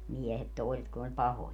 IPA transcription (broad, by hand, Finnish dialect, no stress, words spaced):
miehet toˑiset kun olʲ pɑhojɑ